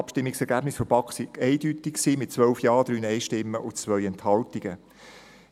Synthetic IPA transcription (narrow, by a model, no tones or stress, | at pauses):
ɑpʃtɪmːɪksɛɾɡæbnɪsfəɾbɑksiɡ̥ɛɪdytɪkksiːmɪt̚t͡sʋœlfjɑːd̥̪ɾyːnɛɪʃtɪmːəʔʊt͡sʋœʏɛnthɑltiɡ̥ə